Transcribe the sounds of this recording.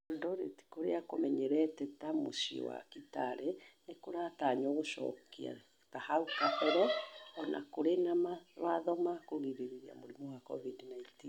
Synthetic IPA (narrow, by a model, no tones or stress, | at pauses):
ondɔɾeti̥koɾeakomɛɲɛɾɛtɛtamo̰sio̰wa̰kitaɾɛnekoɾataɲoɣoʃɔ̰kia̰ | tahaukahɛɾɛɔnʔa̰koɾenamaɾwaðɔmakoɣiɾiɾiɾia̰moɾimɔwakɔ̰vidnaintin